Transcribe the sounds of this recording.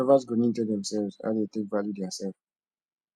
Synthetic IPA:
ɔvasɡonĩntɛdɛ̃msɛlvza̰detek̚valjudɛasɛlv

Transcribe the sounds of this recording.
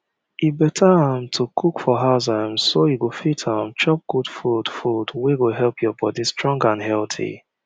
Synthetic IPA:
ibɛtʰaãmtʰukʰukfɔɦazãmsojiɡofitʰãmt͡ʃɔp̚ɡ̥udfud̥fudweɡoɦɛlpʰjɔbɔdĩstɹɔ̃ŋɡãnɦɛltʰḭ

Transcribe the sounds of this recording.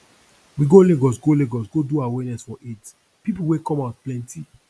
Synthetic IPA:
wiɡoleɡɔsɡoleɡɔsɡoduawɛnɛsfɔʔit | pipuwekɔ̃maʊt̚plɛ̃nti

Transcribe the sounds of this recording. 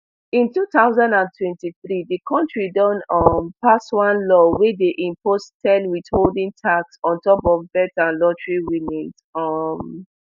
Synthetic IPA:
ĩntutaʊzãndãntwɛ̃ntiθɹidikʰɔ̃ntɹidɔ̃nɔmpaswãnlɔwɛdeʔĩmpostɛdwitholdĩŋtʰaksɔ̃ntɔpɔvbɛtãnlɔtɹiwinit | ɔm

